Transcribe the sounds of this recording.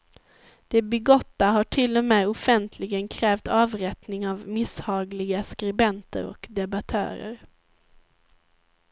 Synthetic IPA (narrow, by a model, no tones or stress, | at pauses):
d̪̥ɛbɛɡɔt̪ːaɦaʈʰɪlːɔmeːɔfɛnt̪ʰlɪɡənkʰɾɛːft̪ɑːvɾɛt̪nɪŋavmɪshɑːɡlɪɡaskɾɪbɛnt̪ə̰ɾɔ̰kd̪ɛbat̪ʰœ̰ːɾə̰ɾ